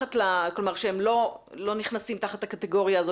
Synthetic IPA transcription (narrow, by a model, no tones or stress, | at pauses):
at̪laklo̞maʁʃeemlo̞lo̞niχnasimt̪aχatlakat̪eɡo̞ʁjaːzo